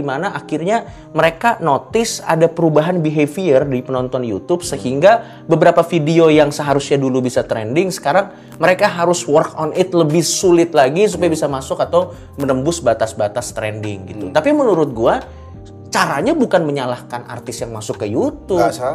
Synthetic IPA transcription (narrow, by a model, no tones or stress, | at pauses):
imanaʔakɪrɲa | məɾekanot̪ɪsa̰dapəɾubaɦanbiɦefiərdipənɔnt̪ɔnjṵt̪ʊb̚səhiŋɡa | bəbəɾapafidiojaŋsəɦaɾʊsɲadulubisat̪ɾɛ̰ndɪŋsə̥kaɾaŋ | məɾekaɦaɾʊswərkɔnɪt̪ləbɪhsulɪt̪̚laɡis̬upajabisamasʊkat̪aw | mənəmbʊsbat̪asbat̪ast̪ɾɛ̰ndɪ̰ŋɡit̪ut̪apimənuɾʊt̪̚ɡua | t͡ʃaɾaɲabukanməɲalahkana̰rt̪ɪsjaŋmasʊkːəjut̪ʊ